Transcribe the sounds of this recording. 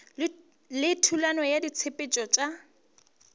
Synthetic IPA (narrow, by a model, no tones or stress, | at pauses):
lɪtʰulanɔjadit͡sʰepʼet͡ʃʼɔt͡ʃʼa